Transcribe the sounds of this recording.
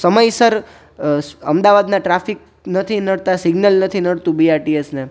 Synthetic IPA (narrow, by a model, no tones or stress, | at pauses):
səməjsəɾ | ə̰md̪aʋad̪nãʈɾafik̚ | nət̪ʰinəɽt̪asiɡnəlnət̪ʰinəɽt̪ũbiaɾʈiesne